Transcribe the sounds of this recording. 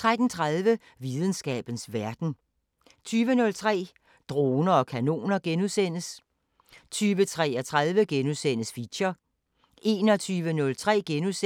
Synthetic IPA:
t͡sʰʁad̥n̩t͡sʰʁaðˠʋə | ʋið̞ˠn̩sɡ̥ɛ̰ːb̥n̩sʋæɐd̥n̩ | t͡sʰyːʋənɔ̽lt͡sʰʁɛ̰ː | d̥ʁo̝ːnɐɒ̽kʰæno̝̰ːnɐɡ̥enuðˠsen̰əs | t͡sʰyːʋət͡sʰʁɛːɐt͡sʰʁaðˠʋəɡ̥enusen̰əsfiɕɐ | ʔe̝ːnɒ̽t͡sʰyːʋənɔ̽lt͡sʰʁɛ̰ːɡ̥enuðˠse

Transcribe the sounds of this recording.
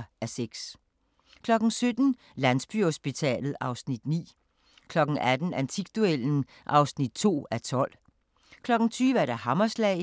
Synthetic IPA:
æseɡ̥s | kʰlɒ̽ɡ̥n̩sød̥n̩ | lænsb̥yhosb̥it͡sʰɛ̰ːlð̞̩ˠɑ̈ʊsnid̥nḭː | kʰlɒ̽ɡ̥n̩ʔæd̥n̩ænt͡sʰiɡ̥̚d̥ueln̩ | ʔɑ̈ʊsnid̥t͡sʰo̝̰ːæt͡sʰɒ̽l̰ | kʰlɒ̽ɡ̥n̩t͡sʰyːʋəæɐɾæhɑ̈mɐslɛ̰ɪ

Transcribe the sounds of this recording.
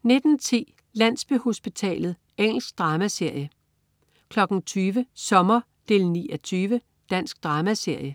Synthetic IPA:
ne̝d̥n̩t͡sʰḭː | læn̰sb̥eho̝sb̥it͡sʰɛ̰ːlð̞̩ˠ | eŋ̰l̩sɡ̥̚d̥ʁɑ̈ːmæse̝ɐ̰jə | kʰlɒ̽ɡ̥n̩t͡sʰyːʋəsɒ̽mɐ | d̥e̝lniːɒt͡sʰyːʋə | d̥æn̰sɡ̥̚d̥ʁɑ̈ːmæse̝ɐ̰jə

